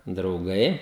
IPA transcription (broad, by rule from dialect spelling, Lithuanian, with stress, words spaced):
drɐʊˈɡɐɪ